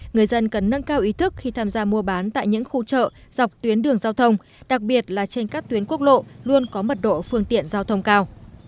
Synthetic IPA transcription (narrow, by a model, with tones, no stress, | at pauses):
ŋɨ˨˩əjzə˧nkə˨˩nːə˧nkaː˧wʔi˨˦t̪ʰɨ˦˥k̚xi˧t̪ʰaː˧mzaː˧mu˧əɓaː˨˦nt̪a̰ː˧˨jɲɨ̰˧˥ŋxu˧t͡ɕə̰ː˧˨z̥a˨˩wk͡p̚t̪wi˨˦ənɗɨ˨˩əŋzaː˧wt̪ʰə˧wŋ͡m | ɗa˨˩k̚ɓi˨˩ət̚laː˨˩t͡ɕe˧nkaː˦˥k̚t̪wi˨˦nku˦˥ək̚lo̰˧˨lu˧ənkɔ˨˦mə˨˩t̚ɗo̰˧˨fɨ˧əŋt̪ḭ˧˨ənzaː˧wt̪ʰə˧wŋ͡mkaː˧w